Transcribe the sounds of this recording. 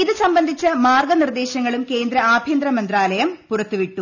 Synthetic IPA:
iðɨsɐmbɐnd̪ʱit͡ɕːɐmaːrɡɐnird̪e̞ːɕɐŋːɐɭumke̞ːnd̪ɾɐaːbʱjɐnd̪ɾɐmɐnd̪ɾaːlɐjɐmpurɐt̪ːuʋiʈːu

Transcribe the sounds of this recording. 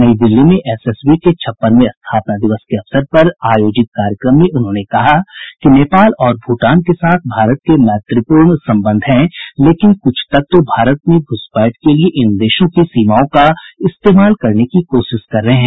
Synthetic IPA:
nɐid̪ɪlːimẽʔɛsɛːsbiket͡ʃʰɐpːəɾmẽɐst̪ʰaːpnad̪ɪʋəskeɐfsəɾpɐɾaːjoːd͡ʒɪt̪̚kaːɾjəkɾəmːẽʔʊnɦõːnekɐɦakineːpaːlɔːɾbʱuːʈaːnkesaːt̪ʰbʱaːɾət̪̚kemɛːt̪ɾɪpuːɾɳsɐ̃mbə̃nd̪ʱɦɛ̃leːkɪnkʊt͡ʃʰt̪ɐk̚t̪obʱaːɾət̪̚mẽɡʱʊspaːʈkelieʔɪnd̪eːʃõkisiːmaːõkaɪst̪eːmaːlkɐɾnekikoːʃɪʃkɐɾːɐɦeɦɛ̃ː

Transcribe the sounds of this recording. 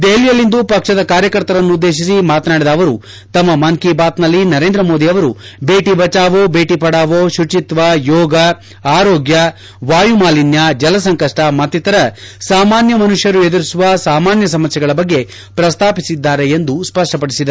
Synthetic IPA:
d̪eːlijɐlːind̪upɐkʂɐd̪ɐkaːɾjɐkɐɾt̪ɐɾɐnːuːd̪ːe̞ːʃ̬isimaːt̪naːɽid̪ɐːʋɐɾu | t̪ɐmːɐmɐŋkibaːt̪nɐlːinɐɾeːnd̪ɾɐmo̞ːd̪iɐʋɐɾube̞ːʈibɐt͡ʃaːʋobeːʈipɐɽaːʋoʃut͡ʃit̪ʋɐjɔːɡɐ | aːɾoːɡjɐ | ʋaːjumaːlinjɐd͡ʒɐlɐsɐŋkɐʂʈɐmɐt̪ːit̪ɐɾɐsaːmaːnjɐmɐnuʂjɐɾue̞d̪uɾisuʋɐsaːmaːnjɐsɐmɐsjɛɐɡɐɭɐbɐɡːe̞ | pɾɐst̪ʰaːpisid̪ːaːɾeend̪uspɐʂʈɐpɐɽisid̪ɐ

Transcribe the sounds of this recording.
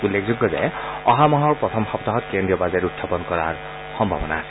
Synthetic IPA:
ulːekʰzuɡːɔza̰jɔɦamɔɦɔɹpɹɔt̪ʰɔmxɔpt̪aɦɔt̪kendɹiɔbazeɹut̪ʰːapɔnkɔɹa̰ɹ | xɔmbʱa̰bɔna̰

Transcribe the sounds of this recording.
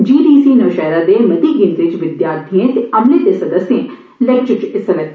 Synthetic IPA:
d͡ʒiːɖiːsiːnɐʋʃɛːɾad̪eːmɐt̪iɡɪ̃nd̪ɾɪt͡ʃʋɪd̪jaːɾt̪ʰiẽt̪eɐmlɪt̪esɐd̪əsjẽ | lek̚t͡ʃɪt͡ʃɪsɐɾɐt̪

